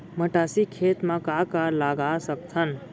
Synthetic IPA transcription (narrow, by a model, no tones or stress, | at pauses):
məʈasikʰet̪mãkakalaɡasəkt̪ʰən